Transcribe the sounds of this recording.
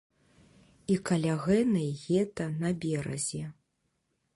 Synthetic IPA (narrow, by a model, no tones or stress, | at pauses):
ikalʲaɣɛnɐjɣʲɛt̪ɐnɐbʲɛɾɐ̰zʲɛ